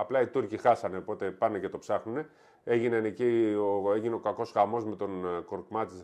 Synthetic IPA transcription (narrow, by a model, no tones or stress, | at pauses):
ɐplɐit̪uɾcixɐsɐnepo̞t̪e̞pɐnece̞t̪o̞psɐxnune̞ | e̞ʝinenecioeʝine̞o̞kɐko̞sxɐmo̞zme̞t̪o̞nkoɾkmɐt̪i